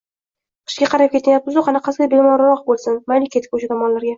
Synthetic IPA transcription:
qʰɨ̥ʃɡʲaqʰɑɾap̚kʲʰet̪njap̚ːɪzoqanɨqʰɑsɡʲabelmaɾawɒqbolˠsɪnmajlɪkʲʰet̪ʰɪ̥k̚ʲoʃat̪ʰɒmɒnlaɾɡʲa

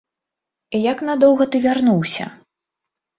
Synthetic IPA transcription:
ijaknad̪ɔwɣɐt̪ɨvʲarnuwsʲɐ̰

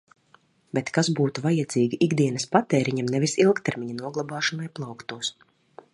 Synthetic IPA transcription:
bʲɛt̪kazbuːt̪uvajad̪ziːɡʲiʔiɡd̪iɛnɐspat̪ɛːɾiɲamnɛvisilˠkt̪ɛɾmʲiɲanuɔɡlˠabaːʃɔnajplˠawkt̪uɔs

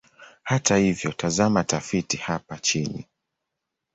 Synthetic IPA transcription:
hatahivjɔtʰazamatafitihapat͡ʃinḭ

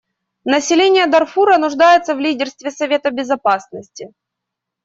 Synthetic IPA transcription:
nəsʲɪlʲenʲɪjəd̪ɐrfuɾənʊʐd̪ajɪt̪səvlʲidʲɪrst̪vʲɪsɐvʲe̞t̪əbʲɪzɐpasnəsʲtʲɪ

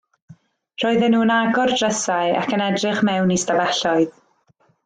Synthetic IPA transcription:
r̥ɔːɨðɛnuːnaɡɔrdrəsaɨa̰kʰənɛdrɪχmɛwnistavɛɬɔɨð

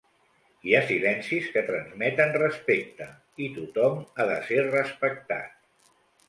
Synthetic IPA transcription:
iasilɛnsiskət̪ɾənzmɛt̪ənrəspek̚t̪ə | it̪ut̪ɔmaðəserəspək̚t̪a̰t̪̚

